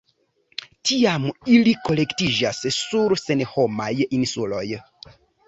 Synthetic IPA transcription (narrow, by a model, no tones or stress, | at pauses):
tiamilikolektiʒassuɾsenehomajinsuloj